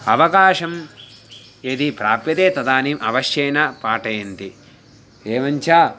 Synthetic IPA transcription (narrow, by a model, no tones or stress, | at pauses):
ɐʋɐkaːʂɐm | eːd̪ipɾaːpjɐt̪eːt̪ɐd̪aːnimʔɐʋɐʃjɐjnɐpaːʈɐjɐnt̪i | eːʋɐɲt͡ʃaː